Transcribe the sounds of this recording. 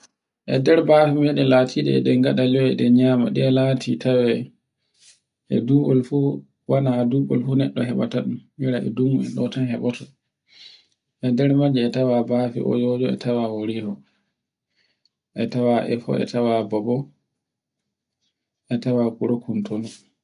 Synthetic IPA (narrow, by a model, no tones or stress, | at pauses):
ʔɛ̰dɛɾbaːfimɛɗɛlatʰiɗɛ̰ɛ̰ɗɛŋɡaɗaliɔɛɗɛɲama̰ɗɛɛlatʰitʰawɛ | ʔɛduɡɔlfu | wanaduɓɔ̰lfunɛɗːɔɦɛɓa̰taɗummiɾaʔɛ̰duɡuɛ̰ɗɔtanhɛɓɔtɔ | ʔɛdɛɾmad͡ʒɛːtawabaːfḭʔɔ̰jɔd͡ʒɔɛ̰tʰawawoɾihɔ | ʔɛtawaʔɛfɔ̰ɛ̰tawabɔbɔ | ʔɛtawakuɾokʰːuntʰonu